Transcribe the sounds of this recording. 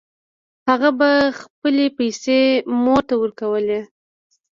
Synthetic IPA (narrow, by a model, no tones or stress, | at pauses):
haɣabaxpəlepajsemot̪awəɾkawəle